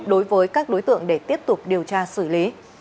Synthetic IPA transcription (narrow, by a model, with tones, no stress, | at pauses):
ɗo˨˦jvəː˨˦jkaː˦˥k̚ɗo˨˦jt̪ɨ̰˧˨əŋɗe˧˩t̪i˦˥əp̚t̪ʊ˨˩k͡p̚ɗi˨˩əwt͡ɕaː˧sɨ˧˩li˨˦